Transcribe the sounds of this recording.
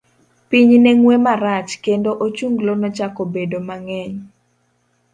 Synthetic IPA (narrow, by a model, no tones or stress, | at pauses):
piɲnɛŋwemaɾat͡ʃkendoʔot͡ʃuŋɡlonɔt͡ʃakobedomaŋɛɲ